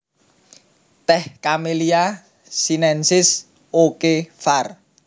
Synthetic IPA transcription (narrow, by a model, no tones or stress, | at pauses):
t̪ɛhkamelia | sinɛnsɪs | okefar